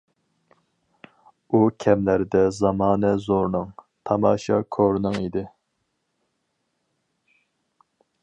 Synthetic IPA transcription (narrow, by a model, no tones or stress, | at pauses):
ukʲʰɛmlæɾɪd̪ɛzɑmɑːnɛzoɾnɨŋ | t̪ʰɑmɑːʃɑkʰoɾnɨŋid̪ɪ